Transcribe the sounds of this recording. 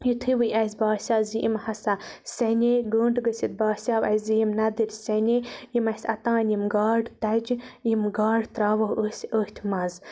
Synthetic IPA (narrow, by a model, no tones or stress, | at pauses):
jit̪ʰɨwɨjʔɐsʲbaːsʲaːziʔḭmhɐsa | sʲɐnʲeɡuːɳɖɡɨsʲit̪̚baːsʲaːwɐ̰zijimnɐd̪ɨɾʲsʲɐnʲejimɐsʲɐ̰t̪ãːnjimɡaːɖt̪ɐd͡ʒjimɡaːɖt̪ɾaːʋousʲoht̪ʲʰmɐz